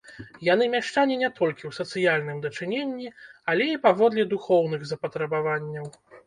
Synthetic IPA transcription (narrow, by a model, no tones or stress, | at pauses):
janɨmʲaʂt͡ʂanʲinʲɛt̪ʰɔlʲkʲiwsɐt̪sɨjalʲnɨmd̪ɐt͡ʂɨnʲenʲːiɐlʲɛipavɔd̪lʲɛd̪uxɔwn̪ɨɣzɐpɐt̪ɾɐbavanʲːɐw